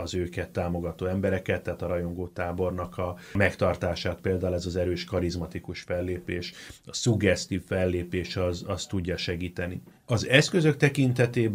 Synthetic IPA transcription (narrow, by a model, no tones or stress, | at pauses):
ɒzøːkɛt̪ːaːmo̞ɡɒt̪oːɛmbɛɾɛkɛt̪ːɛɦaːt̪ɒɾɒjo̞ŋɡoːt̪aːbo̞rnɒkɒmɛkt̪ɒrt̪aːʃaːt̪peːld̪aːulɛzɒzɛɾøːʃkɒɾizmɒt̪ikuʃfɛlːeːpeːʃɒsuɡɛst̪iːffɛlːeːpeːʃɒzɒst̪uɟːɒʃɛɡiːt̪ɛnḭ | ɒzɛskø̞zø̞k̚t̪ɛkint̪ɛt̪eːb